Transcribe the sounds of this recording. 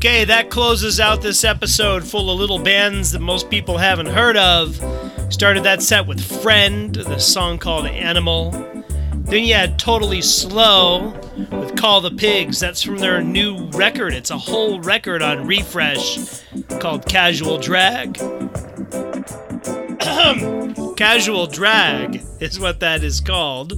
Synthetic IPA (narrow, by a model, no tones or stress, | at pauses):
kʰeɪðɨt̚kʰl̥oʊzɨzaʊt̪̚ðɪsɛpɨsoʊd̥fʊlˠʌvlɪɾl̩ˠbæ̃ndzðɨt̚moʊspipl̩ˠhævɨ̃n̩tɦɜ˞ɾʌv̥stɑɹɾɨd̪̚ðɨtsɛt̚wɨð̥fɹɛ̃ndðɨsɔ̃ŋkʰɔlˠdʔæñəml̩ˠ | ðɨ̃njɨɨd̚tʰoʊɾl̩ˠisloʊ | wɨð̥kʰɔlˠðəpʰɪɡzðætsfɹʌ̃mðə˞nʉɹɛkə˞ɾɨtsəhoʊlˠɹɛkə˞ɾn̩ɹifɹɛʃ | kʰɔlˠd̚kʰæʒəwl̩ˠdɹæɡ̥ | kʰæʒul̩ˠdɹæɡɪzwʌt̪̚ðɨɾɨz̥kʰɔlˠd̥